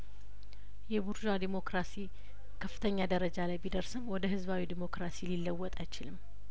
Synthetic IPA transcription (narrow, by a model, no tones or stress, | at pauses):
jɛbuɾd͡ʒad̪imo̞kɾasi | kʰəfːɨ̥t̪ʰəɲːad̪əɾəd͡ʒalajbid̪əɾsɨmwɔd̪əɦɨzβawid̪imo̞kɾasililːəwːɔt̪ʼajt͡ʃɪlɨmː